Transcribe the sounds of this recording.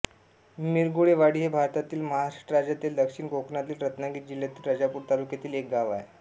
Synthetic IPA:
miɾɡuɭeʋaɽiːɦebʱaɾt̪at̪iːlməɦaaʈɾad͡ʑat̪iːld̪əkʂiːɳɡoknat̪iːlɾət̪naɡiːt̪̚d͡ʑiljat̪iːlɾəd͡ʑapuːɾt̪alukjat̪iːlek̚ɡaʋaje

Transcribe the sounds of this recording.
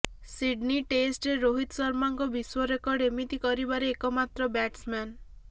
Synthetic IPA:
siɖniʈesʈɾeɾoɦit̪sɔɾmaŋkɔbiswɔɾekɔɽemit̪ikɔɾibaɾeekɔmat̪ɾɔbɛʈsman

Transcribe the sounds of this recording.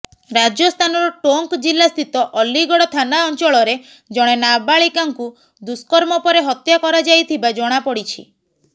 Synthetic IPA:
ɾad͡ʒɔst̪ʰanɔɾɔʈoŋkd͡ʒilːast̪ʰit̪ɔʔɔlːiɡɔɽɔt̪ʰanaɔnt͡ʃɔɭɔɾe | d͡ʒɔɽ̃enabaɭikaŋku | d̪uskɔɾmɔpɔɾeɦɔt̪jakɔɾad͡ʒajt̪ʰibad͡ʒɔɽ̃apɔɽit͡ʃʰḭ

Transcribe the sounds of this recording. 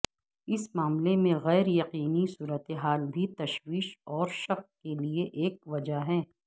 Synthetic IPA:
ɪsmaːmlemẽɣɛːɾjɐqiːnisuːɾət̪eɦaːlbʱit̪ɐʃwiːʃɔːɾʃɐqkelieʔeːk̚ʋɐd͡ʒaɦɛː

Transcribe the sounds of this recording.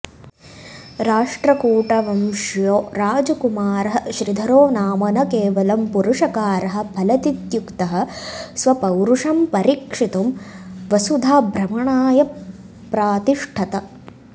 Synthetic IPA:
ɾaːʂʈɾɐkuːʈɐʋɐmʃjoːɾaːd͡ʒɐkumaːɾɐɦɐʃɾid̪ʱɐɾoːnaːmɐnɐkeːʋɐlɐmpuɾuʂɐkaːɾɐɦɐ̆bʰʱɐlɐt̪it̪jukt̪ɐɦɐ̆sʋɐpɐwɾuʂɐmpɐɾikʂit̪umʋɐsud̪ʱaːbʱɾɐmɐɳaːjɐ | pɾaːt̪iʂʈʰɐt̪ɐ

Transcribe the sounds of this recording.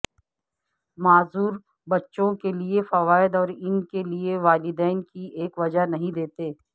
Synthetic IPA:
maːzuːɾ | bɐtːʃõkeliefɐʋaːɪd̪ɔːɾɪnkelieʋaːlɪd̪ɛːnkieːkʋɐd͡ʒanɐɦĩd̪eːt̪eː

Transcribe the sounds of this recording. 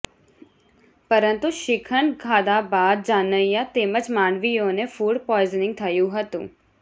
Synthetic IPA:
pəɾənt̪uʃɪkʰəɳkʰaːd̪abaːd̪̚d͡ʒaːnəjãt̪eːməd͡ʒmaːɳʋijõnefuːɖpɔɪznɪ̃ŋɡ̚t̪ʰəjũɦət̪ṵ̃ː

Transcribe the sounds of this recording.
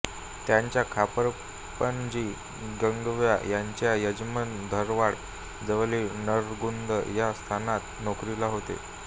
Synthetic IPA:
t̪jaɲt͡ɕjakʰapəɾ | pənd͡ʑiː | ɡəŋɡʋja̰jaɲt͡ɕjajəd͡ʑmənd̪ʱəɾʋaɽ | d͡zəʋəlinəɾɡund̪əjast̪ʰanat̪nokɾilaɦot̪ḛ

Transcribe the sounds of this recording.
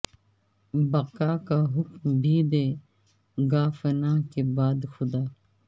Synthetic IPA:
bɐkaːkaɦʊkmbʱiːd̪eː | ɡaːfənaːkebaːd̪xʊd̪aː

